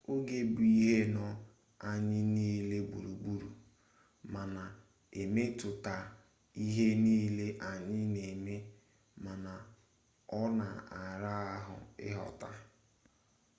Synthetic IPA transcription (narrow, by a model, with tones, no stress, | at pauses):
o˦ɡe˦bu˨˦i˦ɦe˦nɔ˦ | a˨ɲɪ˦ni˦le˦ɡ͡bṵ˨ɾu˨ɡ͡bu˦ɾu˨ | ma˨na˨ | e˨me˦tʊ˨ta˨ | i˦ɦe˦niː˦le˦ʔa˨ɲɪ˦ne˨me˦ | ma˨na˨ | ɔ˦na̰˨a˨ɾa˦a˦ɦʊ̰˨ɪ̰˦ɦɔ̰˨ta˦